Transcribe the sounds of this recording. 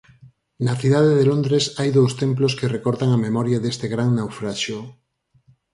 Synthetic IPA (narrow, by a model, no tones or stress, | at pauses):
nɐθiðaðeðelõnd̪ɾesajðowst̪emploskerekɔɾðaŋɐmemɔɾjaðest̪eɣɾaŋnawfɾaʃjo